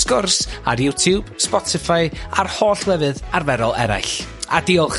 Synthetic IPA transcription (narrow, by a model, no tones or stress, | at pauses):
skʊrsa̰ɾjutʰjuːb̥spɔtʰɪfajarhoːɬwɛvɨðarvɛɾɔlˠɛɾa̰jɬadiɔχ